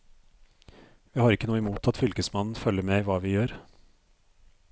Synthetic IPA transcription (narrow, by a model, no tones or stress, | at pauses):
ʋiːhɑːɾɪkːənuːəɛmuːt̪ʰɑt̪fʏlkəsmɑnn̩fœlːəmɛːʋɑːʋɪjøːɾ